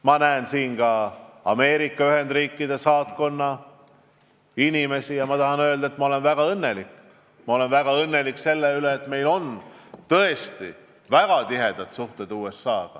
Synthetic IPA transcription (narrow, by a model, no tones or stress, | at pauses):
mɑnæːnsiːnɡɑɑme̞ːɾikˑːɑyɦe̞nd̪riːkːid̪̥esɑːt̪ko̞nːɑ | inime̞sijɑmɑt̪ɑhɑnøld̪̥ɑet̪mɑo̞le̞nvæɡ̥ɑɤnːelik | mɑo̞le̞nvæɡ̥ɑɤnːe̞likse̞lːeyleːt̪me̞jlo̞nt̪ɤe̞st̪i | væɡ̥ɑt̪iɦe̞d̪̥ɑt̪suht̪e̞d̪̥uːe̞sːɑːɡ̥ɑ̰